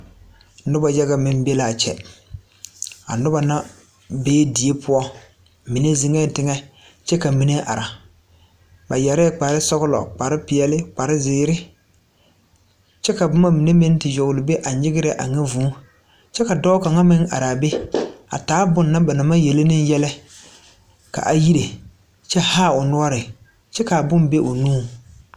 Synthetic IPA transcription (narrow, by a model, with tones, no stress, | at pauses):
nʊ˦ba˨ja˦ɣa˨mɪ˨n˦be˦la˨t͡ʃɛ̰˨ | a̰˨nʊ˦ba˨na˦ | beː˦di˨e˦pʰʊ˦ɔ˦ | mi˨ne˦zi˨ŋɛ˦˨tɪ˦ŋɛ˦ | t͡ʃɛ˦ka˨mi˨ne˦ʔa̰˨ɾa˨ | ba˨ja˨ɾɛ˦˨k͡pa˨ɾɪ˦sɔ˦ɣʊ˦lɔ̰˨k͡pa˨ɾɪ˦pɪ˨ɛ˨lɪ˦k͡pa˨ɾɪ˦zɪː˨˦ɾɪ˦ | t͡ʃɛ˦ka˨bʊ˦ma˦mi˨ne˦me˦n˦tɪ˨jɔ˨ɣʊ˨lɪ˨be˦ʔa˨ɲɪ˦ɣɪ˦ɾɛ˨ʔa̰˨ŋɛ˦vuː˨˦ | t͡ʃɛ˦ka˨dɔ˦ka˨ŋa˦mɪ˦ŋ˦ʔa̰˨ɾa˨be˦a̰˨taː˨˦bʊ˨nːa˦ba˨na˨ma˦je˨lɪ˦nɪ˦n˦jɛ˦lɛ˦ | ka̰˨ʔa˨ji˦ɾe˨ | t͡ʃɛ˦haː˦˨ʊ˨nʊ˦ɔ˦ɾɪ˨ | t͡ʃɛ˦ka˨bʊ˦mbe˦ʔʊ˨nuː˦˨